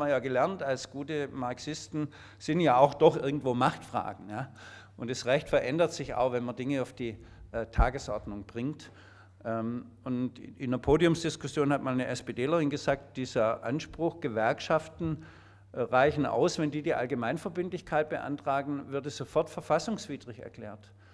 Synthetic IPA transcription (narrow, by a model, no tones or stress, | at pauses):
mɐnjaːɡəlɛɐntalsɡ̥uːtəmaɐksɪstn̩ | sɪntjaːaʊxd̥ɔχʔɪɐɡŋ̩tv̥oːmaχtfʁ̥a̰ːɡŋ̩jaː | ʔʊntd̥asʁɛçtfɛɐʔɛndɐtz̥ɪça̰ʊxvɛnmɐndɪŋəaʊfd̥iː | ʔtʰaːɡəsʔɔɐdnʊŋb̥ʁɪŋt | ʔɛm | ʊntʔɪnɐpʰoːdiʊmsd̥ɪskʊsjoːnhatmaːlnəʔɛspeːdeːlɐʁɪnɡəzaːk̚t̚d̥iːzəʔa̰nʃpʁ̥ʊxɡ̥əvɛɐkʃaftn̩ | ʁaɪçn̩ʔa̰ʊsvɛndiːdiːʔa̰lɡəmaɪnfɐbɪntlɪçkʰaɪt̚b̥əʔa̰ntʁ̥aːɡŋ̩vɪɐtɛsz̥ofɔɐtfɐfasʊŋsv̥iːd̥ʁɪçɛ̰ɐkʰl̥ɛ̰ːɐt